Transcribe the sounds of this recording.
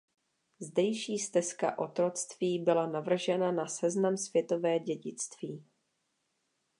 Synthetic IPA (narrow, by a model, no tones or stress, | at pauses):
zdɛjʃiːst̪ɛska̰ʔo̞t̪ɾo̞t͡st̪viːbɪlanavr̩ʒɛnanasɛznamsvjɛt̪o̞vɛːɟɛɟɪt͡st̪viː